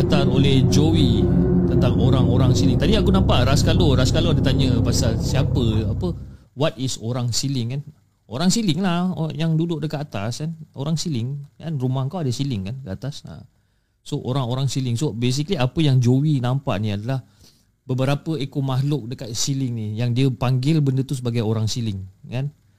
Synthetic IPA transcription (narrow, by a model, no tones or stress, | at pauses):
kat̪arolɛhd͡ʒowit̪ənt̪aŋoɾaŋoɾaŋsilɪŋt̪adiakunampaʔɾaskaloɾaskaloadət̪aɲəpasalsiapəapəwat̪̚isoɾaŋsilɪŋkan | oɾaŋsilɪŋlahjaŋdudʊʔ̚dəkat̪at̪a̰skanoɾaŋsilɪŋkanrumakawadəsilɪŋkankəat̪asa̰ | soʔoɾaŋoɾaŋsilɪŋsobes̬ikəliapəjaŋd͡ʒowinampa̰ʔniadalah | bəbəɾapəekomaɦlʊk̚dəkat̪̚silɪŋnijaŋdiəpaŋɡɪlbəndət̪us̬əbaɡajoɾaŋsilɪŋkan